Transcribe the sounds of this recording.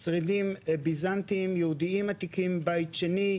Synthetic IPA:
sʁidimebizant̪imjehud̪iimat̪ikimbajt̪ʃeni

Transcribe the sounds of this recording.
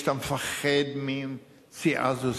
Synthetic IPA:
t̪amefaχed̪mim | siʔa̰zus

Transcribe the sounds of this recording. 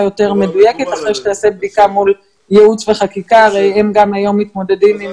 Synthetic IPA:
jo̞te̞ʁme̞dujeke̞t̪aχʁejʃet̪aːse̞b̚dikamul | jeut͡sve̞χakikaːʁejemɡamajo̞mːit̪mo̞de̞dimim

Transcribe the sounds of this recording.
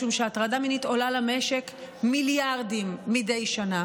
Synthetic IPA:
umʃeatʁadaminito̞lalame̞ʃe̞kmiljaʁdimːide̞jʃana

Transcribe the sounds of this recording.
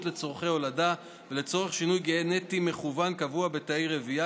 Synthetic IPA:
tle̞t͡soʁχe̞jo̞lada | vele̞t͡so̞ʁeχʃinujɡenetime̞χuvankavuabe̞taejʁevia

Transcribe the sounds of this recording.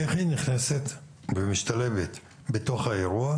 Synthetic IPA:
eχiniχneset̪ | bemiʃt̪ale̞vet̪ | bet̪o̞χaeʁua

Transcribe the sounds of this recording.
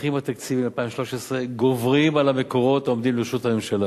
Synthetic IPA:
imat̪akt͡sivimalpaimʃloʃesʁeɡo̞vʁimalameko̞ʁo̞t̪omd̪imleʃutamimʃala

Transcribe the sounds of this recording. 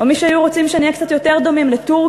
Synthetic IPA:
omiʃeajuʁot͡simʃeanijekt͡satjo̞te̞ʁd̪o̞mimletuʁ

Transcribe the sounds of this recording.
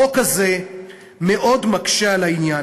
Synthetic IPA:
okaze̞ | me̞ʔo̞dmakʃealainja

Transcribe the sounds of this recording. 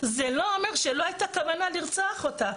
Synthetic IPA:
zelo̞omeʁʃeloajt̪akavanaliʁt͡soaχot̪a

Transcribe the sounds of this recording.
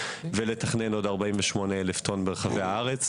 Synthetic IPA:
veletaχneno̞daʁbaiɱveʃmoneeleft̪ʰonbeʁeχaveaaʁet͡s

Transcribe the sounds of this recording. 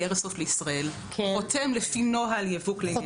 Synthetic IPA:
eʁsofleisʁael | kʰotemlefinoɦaljevukle

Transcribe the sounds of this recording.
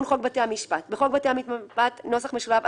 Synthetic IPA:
nχo̞ɡ̚bateamiʃpatbeχo̞ɡ̚batehamit̪mapatno̞saχme̞ʃulav

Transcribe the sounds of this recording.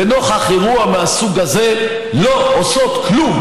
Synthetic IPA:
eno̞χhaχeʁuameasuɡaze̞ | lo̞ʔoso̞t̪klum

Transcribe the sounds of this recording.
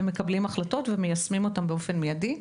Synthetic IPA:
mekɐblimaχlato̞tvemejasmimo̞tambeo̞fe̞nmejadi

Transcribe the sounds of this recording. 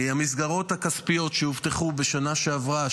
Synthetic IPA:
hamis̬ɡaʁo̞tthakaspijo̞tʃehivt̪eχubeʃanaʃeavʁa

